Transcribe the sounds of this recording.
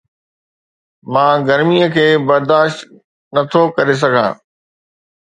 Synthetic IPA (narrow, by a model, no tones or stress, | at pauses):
mãːɡɐɾmiəkʰeːbɐɾd̪aːʃt̪ | nɐt̪ʰokɐɾes̬ɐɡʱã̰ː